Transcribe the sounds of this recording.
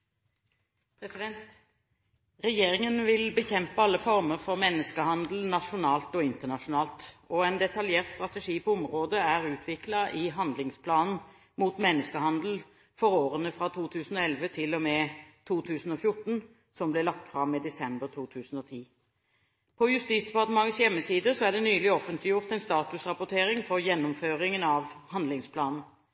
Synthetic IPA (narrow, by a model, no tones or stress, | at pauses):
pʰʁɛsɪd̪ɛnt̪ | ʁɛjeːʁɪŋənʋɪlbəçɛmpəɑlːəfɔʁməʁfɔʁmɛnːəskəhɑnd̪l̩nɑʂʊnɑːlt̪ɔɪnt̪əʁnɑʂʊnɑːlt̪ɔɛnd̪ɛt̪ɑljeːʁt̪st̪ʁɑt̪ɛʂiːpʰɔʊmʁoːd̪əæʁʉːt̪ʰʋɪklɑʔɪɦɑnd̪lɪŋspʰlɑːnn̩ | muːt̪mɛnːəskəhɑnd̪l̩ | fɔɾoːʁənəfʁɑt̪ʰuːt̪ʰʉːsn̩ɔɛlʋət̪ʰɪlɔmɛːt̪ʰuːt̪ʰʉːsn̩ɔfjʊʈn̩ | sɔmblɛlɑk̚t̪fʁɑmːɪd̪ɛsɛmbəʁt̪ʰuːt̪ʰʉːsn̩ɔt̪ʰiː | pʰɔjʉst̪iːsd̪ɛpɑʁt̪əmɑŋːəsjɛmːəsiːd̪əsɔæɖɛnyːlɪoːfənt̪ʰlɪjʊʁt̪ɛnst̪ɑːt̪ʉsʁɑpʊt̪ʰeːʁɪŋfɔʁjɛnːʊmføːʁɪŋənɑʋhɑnd̪lɪŋspʰlɑːnn̩